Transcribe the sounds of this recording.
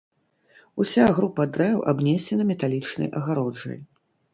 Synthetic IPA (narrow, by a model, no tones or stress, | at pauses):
usʲaɣɾupɐd̪ɾɛwʔa̰bnʲɛsʲɛnɐmʲɛt̪alʲit͡ʂnɐ̰jʔɐɣaɾɔd͡ʐɐ̰j